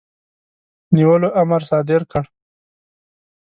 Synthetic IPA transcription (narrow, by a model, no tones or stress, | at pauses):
niwəloʔamaɾsɑːd̪ɪɾkəɽ